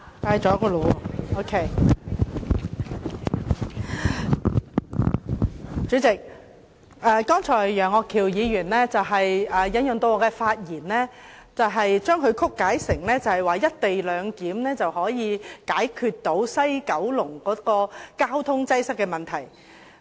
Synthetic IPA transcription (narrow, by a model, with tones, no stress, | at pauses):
t̪aː˧jt͡ʃɔː˨˥kɔː˧lo˨˧wo˥kʰe˥ | t͡ʃy˨˥t͡sɪ˨k̚ | ʔɛː˨˧kɔː˥ŋt͡ʃʰɔː˨˩jjœː˨˩ŋɔː˧kʰːiː˨˩wjiː˨˧ɥyː˨˩nlɛː˥t͡sɐ˨wɦɐ˨jɛː˨jɐ˨˥njɵ˨˩ŋt̪o˧wɔː˨˧kɛː˧faː˧t̚jiː˨˩nlɛː˥ | t͡sɐ˨wɦɐ˨jt͡ʃœː˥ŋkʰɵ˨˧ɥkʰʊ˥kːaː˨˥jsɪ˨˩ŋlɛː˥t͡sɐ˨˩whɐ˨jwaː˨jɐ˥t̚t̪e˨jlœː˨˧ŋkiː˨˥mlɛː˥t͡sɐ˨whɔː˨˥jiː˨˧kaː˨˥jkʰyː˧t̚t̪ːo˨˥wsɐ˥jkɐ˨˥wlʊ˨˩ŋkɔː˨˥kɔː˧kaː˥wt̪ʰʊ˥ŋt͡sɐ˥jsɐ˥k̚ːɛː˧mɐ˨nt̪ʰɐ˨˩j